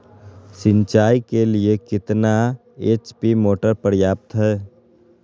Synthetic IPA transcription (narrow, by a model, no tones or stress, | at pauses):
sɪ̃ɲt͡ʃaːjkeliekɪt̪na | eːt͡ʃpimoːʈəɾpəɾjaːp̚t̪ɦɛː